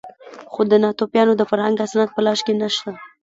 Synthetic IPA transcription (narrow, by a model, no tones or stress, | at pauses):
xod̪ənɑt̪opjɑnod̪əfaɾhaŋɡasnat̪̚pəlɑʃkenaʃt̪a